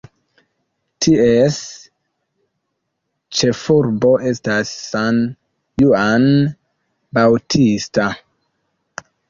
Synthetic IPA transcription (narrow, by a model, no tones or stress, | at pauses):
tʰies | t͡ʃe̞fuɾbo̞ʔe̞stasːan | juan | bawtʰista